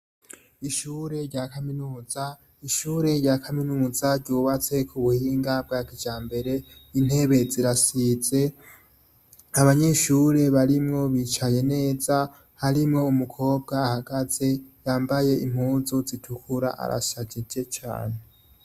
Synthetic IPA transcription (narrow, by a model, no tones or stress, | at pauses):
iʃuːɾe̞ɾɟakaminuːza | iʃuːɾe̞ɾɟaːkʰaminuːzaɾɟuːβat͡se̞kʰuβuhiːŋɡab̚ɡaːkid͡ʒaːmbe̞ɾe̞in̥e̞βe̞ziɾasize̞ | aβaɲe̞ʃuːɾe̞βaɾimŋo̞βiːt͡ʃaje̞ne̞ːza | haɾimŋo̞umukʰo̞ːb̚ɡaːhaɡ̥az̥e̞jaːmbaje̞ʔim̥huːzozitʰukʰuɾa̰ʔa̰ɾa̰ʃaɟid͡ʒe̞t͡ʃa̰ːne̞